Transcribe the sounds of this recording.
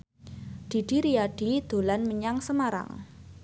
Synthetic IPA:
d̪̥i̤ɖ̥i̤ɾiaɖ̥i̤d̪̥o̤lanməɲaŋsəmaɾa̰ŋ

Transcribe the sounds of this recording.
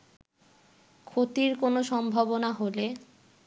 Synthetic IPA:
kʰot̪iɾkonoʃɔmbʱabonaɦole

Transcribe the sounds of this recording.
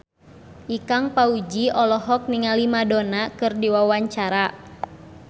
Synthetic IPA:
ʔikaŋpaud͡ʒiɔlɔɦɔk̚niŋalimadɔnakɨrdiwawaɲt͡ʃaɾa

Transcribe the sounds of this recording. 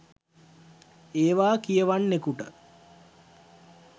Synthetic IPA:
eːʋaːkijəʋanːekuʈə̰

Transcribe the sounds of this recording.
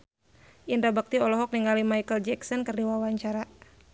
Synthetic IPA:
ʔindabak̚t̪iɔlɔɦɔk̚niŋalimajkəld͡ʒɛksɔnkərdiwawaɲt͡ʃaɾa

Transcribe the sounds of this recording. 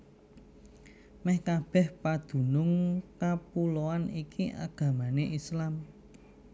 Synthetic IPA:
mɛhkab̥ɛ̤hpad̪̥ṳnʊŋkapuloanikiʔa̰ɡ̥ä̤maneʔislam

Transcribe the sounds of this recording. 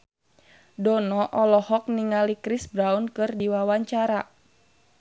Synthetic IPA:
dɔnɔʔɔlɔhɔk̚niŋalikɾisbɾaunkɨrdiwawaɲt͡ʃaɾa

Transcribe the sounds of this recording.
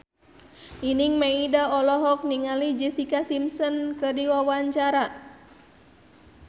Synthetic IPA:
ʔiniŋmeidaɔlɔɦɔk̚niŋalid͡ʒisikasimsɔnkədiwawaɲt͡ʃaɾa

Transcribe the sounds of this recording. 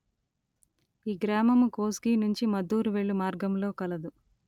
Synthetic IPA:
iːɡɾaːmɐmukoːskiːnuɲt͡ʃimɐd̪uːɾuʋe̞ɭːumaːɾɡɐmlo̞ːkɐlɐd̪u

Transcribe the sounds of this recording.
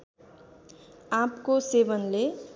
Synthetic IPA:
ãpkosebʌnle

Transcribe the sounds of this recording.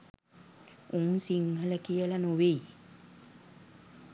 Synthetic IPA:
uŋsiŋɦələkijəlanoʋej

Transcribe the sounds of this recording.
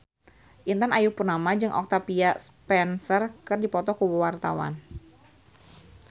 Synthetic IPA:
ʔint̪anajupurnamad͡ʒɨŋʔɔ̰k̚t̪apiaspɛnsərkɨrdipɔt̪ɔkuwuwart̪awa̰n

